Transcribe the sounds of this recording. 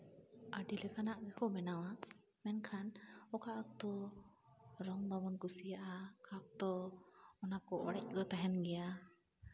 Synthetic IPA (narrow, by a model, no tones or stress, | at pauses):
adilɛkanaʔɡɛkɔmɛnawa | mɛnkʰanɔkaʔak̚t̪ɔ | ɾɔŋbamɔnkusijaʔakak̚t̪ɔɔnakɔʔɔɾɛc̚ɡɔt̪aɦɛnɡɛa